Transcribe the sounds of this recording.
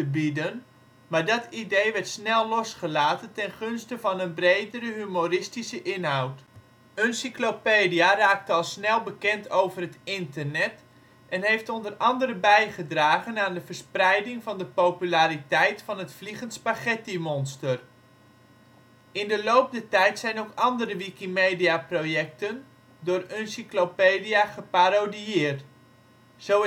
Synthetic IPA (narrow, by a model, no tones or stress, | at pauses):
təbidən | maːɹdɑtidejʋɛrtsnɛlˠlɔsχəlaːtəntɛnχɵnstəvɑnənbrejdəɾəɦymorɪstisəʔɪnɦawt | ənsiklopeːdijaraːk̚təɑlˠsnɛlˠbəkɛntʰowvərɦətɪntərnɛt | ʔɛnɦejftɔndərɑndəɾəbɛjχədraːɣənaːndəvərsprɛjdɪŋvɑndəpowpylaːɾitɛjtfɑnɦətfliχənspaχɛtimɔnstər | ɪndəlowp̚dətɛjtsɛjnowkɑndəɾəʋikimejdiaprojɛk̚tən | dʊːrœnsiklopeːdijaχəpaɾodiɪːrt | z̥ow